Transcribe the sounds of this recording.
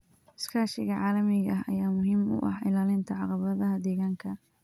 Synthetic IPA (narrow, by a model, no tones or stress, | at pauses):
ɪskʰaːʃɪɣɐʕɑːlɐmɪɣɐɦɐ̰jaːmʊɦiːmʊ̰ʔɑ̰ħɪ̰laːlɪnt̪ʰɐʕɑqɑβɐðɐɦɐd̪ɛːɣaːŋkʰɐ